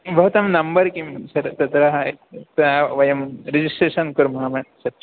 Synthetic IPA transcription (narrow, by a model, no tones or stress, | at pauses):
bəɦut̪ɐmnɐmbəɾkimsɐɾt̪ɐt̪ɾaɦt̪ʋɐjɐmɾid͡ʑisʈɾeʃɐnkuɾmɐɦamɐsɐt̪ː